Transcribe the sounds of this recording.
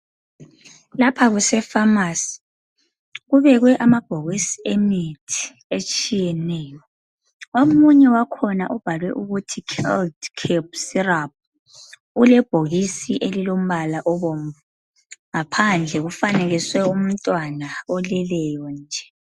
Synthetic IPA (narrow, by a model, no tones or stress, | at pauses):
lapʰaɣusɛfamasi̥ | ɣuβɛɣwɛʔamab̥ʱoɣisi̥emitʰi̥ | et͡ʃʼijɛnɛːjɔ | omuɲɛwakʰɔnaʔub̥ʱalwɛʔuɣutʰikʰɛldkʰɛb̚sirap̚ | ulɛb̥ʱoɣisiʔelilom̩βalaʔɔβomvu | ŋapʰand͡ɮʱɛɣufaneɣiswɛum̩tʼwanaɔlɛlɛjɔnd͡ʒʱɛ